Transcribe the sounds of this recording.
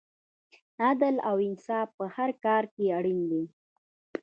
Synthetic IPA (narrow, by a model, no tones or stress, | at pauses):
ad̪əlawɪnsɑfpəhaɾkɑɾkeaɽind̪i